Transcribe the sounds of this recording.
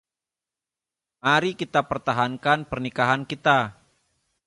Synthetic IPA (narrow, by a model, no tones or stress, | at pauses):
maɾikit̪apərt̪aɦankanpərnikaɦankit̪a